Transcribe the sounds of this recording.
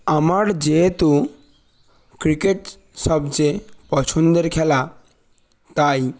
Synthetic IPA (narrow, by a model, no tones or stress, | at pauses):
amaɽd͡ʑet̪u | kɾikeʈ | səbd͡zepɔt͡ʃʰund̪əɾkʰɛla | t̪aj